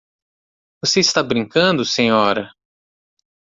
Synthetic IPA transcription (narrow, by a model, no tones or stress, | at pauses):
voseist̪abɾĩŋkɐ̃nd̪ʊsẽɲɔɾɐ